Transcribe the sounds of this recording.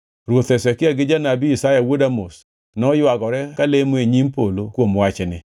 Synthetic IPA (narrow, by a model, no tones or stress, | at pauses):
ɾwot̪ɛsɛkɪaɡɪd͡ʒanabiisajawodamos | nɔjwaɡɔɾɛkalemoeɲimpolokwomwat͡ʃɛnɪ